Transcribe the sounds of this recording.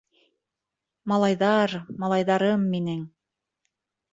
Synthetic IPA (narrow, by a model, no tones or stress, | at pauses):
mɑlˠɑjðɑɾmɑlˠɑjðɑɾɤmːinɘŋ